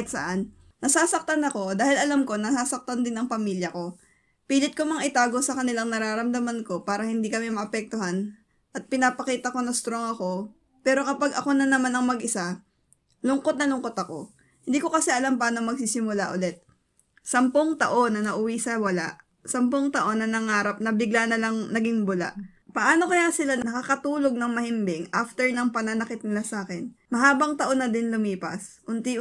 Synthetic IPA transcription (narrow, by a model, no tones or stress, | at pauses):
ɪt̪sɐ̰ʔan | nɐsaːsɐk̚t̪anɐko̞d̪aːhɪlɐlamko̞nɐsaːsɐk̚t̪and̪ɪnɐŋpɐmiljɐko̞ | piːlɪt̪̚komɐŋʔɪt̪aːɡo̞sɐkɐnɪlaŋnɐɾaːɾɐmd̪ɐmanko̞paːɾɐhɪnd̪iːkɐmɛmɐʔɐpɛk̚t̪ohan | ʔɐt̪̚pɪnapɐkiːt̪ɐko̞nɐst̪ɾo̞ŋɐko̞ | pɛːɾo̞kɐpaɡʔɐko̞nɐnɐmanɐŋmɐɡʔɪsa | lʊŋko̞t̪nɐlʊŋko̞t̪ɐko̞ | hɪ̃nd̪iːko̞kɐsɛʔɐlampɐʔaːnomɐɡ̚sisɪmʊlaʔʊlɛt̪̚ | sɐmpoŋt̪ɐʔo̞nːɐnɐʔʊwisɐwɐlaʔ | sɐmpoŋt̪ɐʔo̞nːɐnɐŋaːɾɐp̚nɐbɪɡlanɐlɐŋnɐɡɪŋbʊla̰ʔ | pɐʔaːno̞kɐjasɪlanɐnɐkakɐt̪uːlo̞ɡ̚nɐŋmɐhɪmbɪŋʔaft̪ɛɹnɐŋpɐnɐnɐkɪt̪̚nɪlasaːkɛnmɐɦaːbɐŋt̪ɐʔo̞nːɐd̪ɪnlʊmiːpɐsʔʊnt̪i